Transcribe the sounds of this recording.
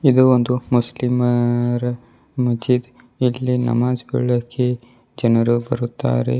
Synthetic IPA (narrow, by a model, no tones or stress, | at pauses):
id̪uond̪umuslimɐɾɐ | mɐd͡ʒid̪ | ilːinɐ̰maːd͡ʒbiɭːɐkʰːe | d͡ʒɐnɐɾubɐɾut̪ːa̰ːɾḛ